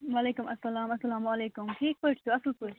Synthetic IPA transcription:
waleːkʊmɐsːɐlaːmɐsːɐlaːmwaleːkʊmʈʰiːk̚poʈt̪uɐslkoʈ

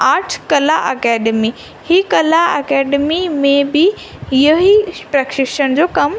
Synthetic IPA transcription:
aːʈʰkɐlaʔɐkɛːɖemi | hikɐlaɐkɛːɖmimẽbɪ | ɪjoɦipɾɐkʃɪʃəñd͡ʑoːkɐm

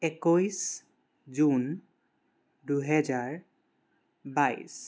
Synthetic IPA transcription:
ɛkojs | zun | duɦɛzaɹ | baj̰s

